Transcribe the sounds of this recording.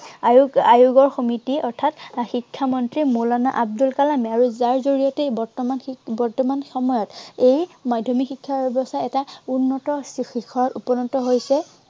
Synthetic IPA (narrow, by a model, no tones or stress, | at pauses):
ajuɡɔɹxomitiɔɹtʰatxikʰːamɔntɹimulana̰ʔab̚dulkalamɛaɹuzaɹzoɹijɔtɛbɔɹtɔmanbɔɹtɔmanxɔmɔjɔtejmadʱɔmixikʰːabebɔstaɛtaunːɔtɔikʰɔɹɔtupɔnɔtɔɦojsɛ